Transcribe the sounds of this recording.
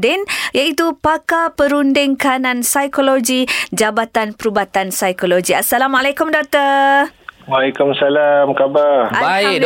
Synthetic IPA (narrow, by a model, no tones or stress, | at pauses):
dɪnjait̪upakapəɾundɪŋkanãnsajkoloɡid͡ʒabat̪anpəɾubat̪ansajkoloɡiasalamalakʊmdok̚t̪ə | walikʊmsalamkabara